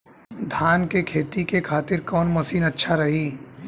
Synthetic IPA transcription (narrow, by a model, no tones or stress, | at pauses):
d̪ʱaːnkekʰeːt̪ikekʰaːt̪ɪɾkɔːnmɐsiːnɐtːʃʰaɾɐɦiː